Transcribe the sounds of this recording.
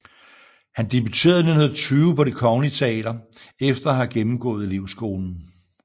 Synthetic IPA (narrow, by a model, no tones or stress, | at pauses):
hænd̥e̝b̥yt͡sʰe̝̰ːɐðˠnenheðˠɐt͡sʰyːʊpʰɒ̽ɾ̥ekʰɒ̽ŋlit͡sʰe̝ɛ̰ːɾ̥ɐefd̥ɐhɑɡ̥emm̩ɡ̥ɔ̰̽ːð̞̩ˠliʊsɡ̥o̝ːln̩